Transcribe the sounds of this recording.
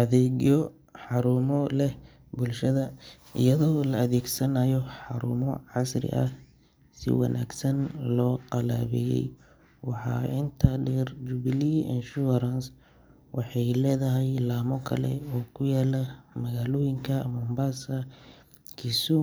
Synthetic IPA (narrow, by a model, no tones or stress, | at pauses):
ʔɐðɛːɣjɔ | ħɑɾuːmɔlɛh | bʊlʃɐðɐ | ɪ̰jɐðɔːlɐɐðɛːɡsɐnaːjɔħɑɾṵːmɔʕɑsrɪ̰ʔɐ̰ | sɪ̰wɑ̰nʔa̰ːɡsɐnlɔːqɑla̰ːβɛ̰ːjɛ̰j | wɑħɑ̰ːɪnt̪ʰɐɖɛrd͡ʒuβliɪ̰nʃuɾɐns | wɑħɑjlɛːðɐɦɛjlaːmɔkʰɐ̰lɛ̰ɔːkʰʊjaːlɐmɐɣaːlɔːjɪŋkʰɐmɔmbasɐ | kʰisʊ